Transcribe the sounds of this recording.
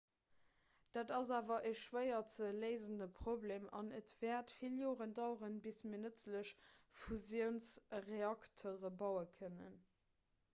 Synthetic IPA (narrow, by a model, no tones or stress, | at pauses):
d̥aːdɑzaːvɐʔəʃʃwəɪɐt͡sələɪzəndəpʰʁ̥oblemɑ̰nətv̥ɛːɐtfiljoːʁəndɑʊʁənbismiːɐnət͡sləɕfuzjəʊnsʁeɑktʰoʁəbɑʊəkʰənə̰n